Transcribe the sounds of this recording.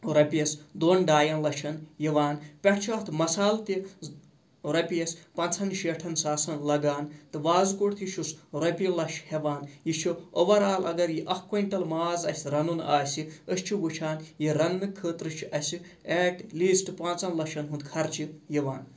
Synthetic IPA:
ɾɐpʲiɐsʲd̪oːnɖaːjɐnlɐʃʰɐnjiʋaːnpʲɐʈʰt͡ʃʰiɐht̪ʰɨmɐsaːlt̪i | ɾɐpiɐsʲpɐnt͡sʰɐnʃeːʈʰɐnsaːsɐnlɐɡaːnt̪ɨʋaːzkoʈt̪ʰjiʃʰusɾɐpʲilɐʃheʋaːnjit͡ʃʰioʋɐɾaːlɐ̰ɡɐɾjiʔɐhkonʈɐlmaːzɐsʲɾɐnunaːsʲiəst͡ʃʰiʋut͡ʃʰaːnjiɾɐnːɨkʰəːt̪ɾɨt͡ʃʰiʔɐsʲi | eːʈliːsʈɨpaːnt͡sɐnlɐʃʰɐnɦund̪kʰɐɾt͡ʃʰijiʋaːn

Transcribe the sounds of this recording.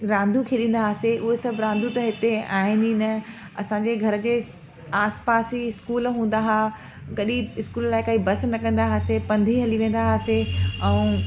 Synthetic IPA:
ɾãːnd̪ʱukʰeːɗĩːn̆d̪aːseʔʊɦesɐbʱɾãːnd̪ʱut̪ɐɦɪt̪eaːɦɪninɐ | ɐsãɲd͡ʑeːɡʱɐɾə̆d͡ʑeː | aːspaːsiɪskuːlɦũːn̆d̪aɦaː | ɡɐɗiɪskuːllaːɪkaːibɐsnɐkɐ̃nd̪aɦaːsepɐ̃nd̪ʱiɦɐliʋẽːnd̪aɦaːseɛũː

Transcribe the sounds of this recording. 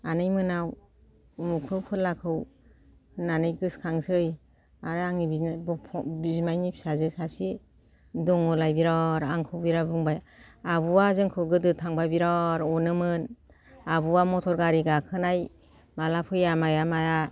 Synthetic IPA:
anɯjmɯnaw | umukʰɯwpʰɯlːakʰɯw | nanɯjɡɯskʰaŋsɯj | aɾɯaŋibibpʰɔbizmajnipʰi̥sazɯsasi | dɔŋɔlajbiɾaɾaŋkʰɯwbiɾabuŋbaj | abuwazɯŋkʰɯwɡɯdɯtʰaŋbabiɾaɾɔnɯmɯn | abuwamɔtʰɔɾɡaɾiɡakʰɯnaj | malapʰɯjamajamaja

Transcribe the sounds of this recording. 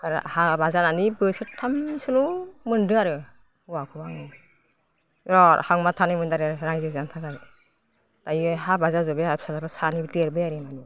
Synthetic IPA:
kaɾ̰habazananibɯsɯtʰːamsɯlumɯndɯaɾɯ | akʰɯbaŋɯ | ɾɔɾhaŋmatʰanimɯndaɾeɾaŋzezantʰakaɾ | tajiɦabazazɔbeapsazabasanibteɾbɯjaɾimani

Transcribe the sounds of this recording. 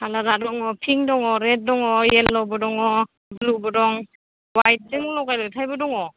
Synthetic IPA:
haladadɔŋɔpʰiŋdɔŋɔɾet̚dɔŋɔjelːɔbɔdɔŋɔ | blubɔdɔŋ | wajt̚sɯŋɔlɔɡajlɯjtʰajbɯdɔŋɔ

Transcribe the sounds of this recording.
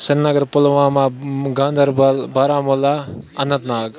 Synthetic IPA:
sɐnnɐɡɐɾpolʋaːmaɡãːnd̪ʱɐɾbɐlbaːɾaːmulaɐnːɐt̪naːɡ

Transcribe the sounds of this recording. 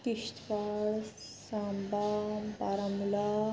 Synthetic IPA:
kiʂt̪ʋaɭ | sãmbabaɾəmla

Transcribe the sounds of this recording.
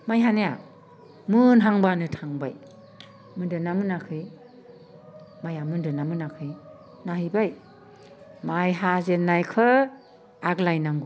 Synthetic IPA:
majɦaneja | mɯnɦaŋbanɯtʰaŋbaj | mɯndɯnamɯnakʰɯj | majamɯndɯnamɯnakʰɯj | naɦɯjbaj | majɦazenːajkʰɯ | aklajnaŋɡu

